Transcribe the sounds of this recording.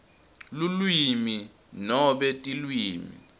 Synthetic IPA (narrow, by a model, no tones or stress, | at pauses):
lulwimi | nɔɓɛtʼilwiːmḭ